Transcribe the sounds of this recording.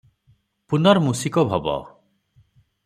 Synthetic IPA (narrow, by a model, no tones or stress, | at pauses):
punɔɾmusikɔbʱɔbɔ̰